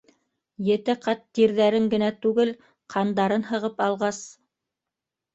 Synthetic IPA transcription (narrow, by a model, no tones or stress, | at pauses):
jɘ̆t̪ɘqɑt̪ːiɾðæɾɘŋɡɘ̆næt̪ʉɡɘl | qʰɑnd̪ɑɾɤnɦɤ̆ʁɤpɑlˠʁɑs